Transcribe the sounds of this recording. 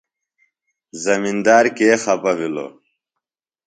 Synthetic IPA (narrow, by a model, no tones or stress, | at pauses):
zɐmind̪aːɾkeːxɐpɐwilo̰